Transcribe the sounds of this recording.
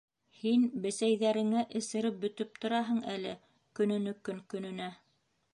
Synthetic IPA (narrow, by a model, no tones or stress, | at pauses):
hinbɘ̆sæjðæɾɘ̆ŋæʔɘ̆sɘ̆ɾɘp̚bɵ̆t̪ɵp̚t̪ŏɾɑɦɤɴælɘ | kɵ̆nɵ̆nɵkɵŋkɵ̆nɵ̆næ